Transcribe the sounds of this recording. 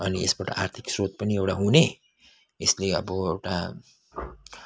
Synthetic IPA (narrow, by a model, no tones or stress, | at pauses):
ʌniḛsbaʈa̰ʔart̪ʰiksrot̪̚pʌniewʈaɦune | esleʌ̰bʌewʈa